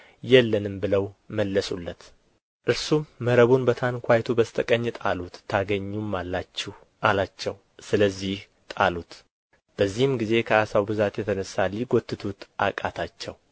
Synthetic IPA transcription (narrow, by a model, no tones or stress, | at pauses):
jɛlːənɨmbɨləwməlːəsulːət̪ | ʔɨɾsumːəɾəβunbət̪ʰankʷʰajt̪ʰubəst̪ʼəkʼəɲːɨt̪ʼalut̪ʰːaɡəɲːumːalːat͡ʃːih | ʔalat͡ʃːɛw | sɨləzːih | t̪ʼalut̪ | b̥əzːihɨmɡize̞kʰəasawbɨzat̪jɛt̪ʰənəsːalːiɡot̪ʰːɨt̪ʰut̪ʔa̰kʼat̪ʰat͡ʃːɛw